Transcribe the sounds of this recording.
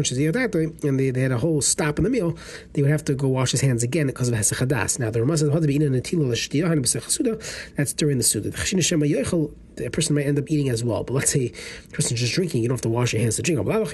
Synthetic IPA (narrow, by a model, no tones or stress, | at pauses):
nʃɨzijədadoɪɨ̃nððeɪɨɾəɦoʊlˠstɑpn̩ðəmilˠ | ðeɪwəd̚hæftəɡoʊwɑʃhɨz̥ɦæ̃ndzɨɡɛ̃nbikʰɔzʌv̥hɛsəχəda̰snaʊðəɹamɔs̬ɛzhɔdbiinənɨtʰilˠəlˠɨʃtiəãɪnbəsɪχə̥sudəðætsd̥ʊɹɪ̃ŋðəsudəðəχḁʃinəʃɛməjɔɪχl̩ˠ | əpʰɜ˞sn̩maɪɾɛ̃ndʌpiɾɪ̃ŋɨzwɛ̰lˠbʌtˡlˠətseɪpʰɜ˞sn̩zd͡ʒʌs̬dɹɪ̃ŋkɪ̃ŋjdõʊ̃nhaftəwɑʃjə˞hæ̃nz̥tʰədɹɪ̃ŋkɔ̰bəlˠaləχ